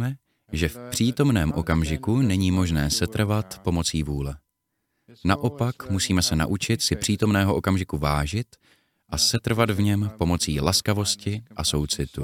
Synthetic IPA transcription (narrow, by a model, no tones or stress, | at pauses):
mɛ | ʒɛfpr̝̥iːt̪o̞mnɛːmʔo̞kamʒɪkunɛɲiːmo̞ʒnɛːsɛt̪r̩vat̪po̞mo̞t͡siːvuːlɛ | naʔo̞pakmusiːmɛsɛna̰ʔut͡ʃɪt̪sɪpr̥iːt̪o̞mnɛːɦoʔo̞kamʒɪkuvaːʒɪt̪ | ʔasɛt̪r̩vad̪vɲɛmpo̞mo̞t͡siːlaskavo̞scɪʔaso̞wt͡sɪt̪u